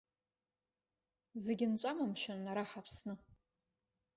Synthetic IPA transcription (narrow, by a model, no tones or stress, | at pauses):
zeɡʲɪnt͡ɕʷʼamamʃʷᶣanaɾaħapʰsnɨ